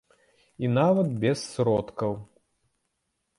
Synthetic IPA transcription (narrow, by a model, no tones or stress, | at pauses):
inavɐd̪̚bʲɛsːɾɔt̪kɐw